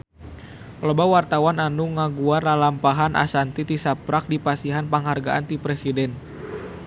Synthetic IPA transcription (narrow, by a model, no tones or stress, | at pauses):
klobawart̪awananuŋaɡuarlalampaɦanʔa̰sant̪it̪isapɾak̚dipasiɦanpaŋharɡaʔant̪ipɾesidɛn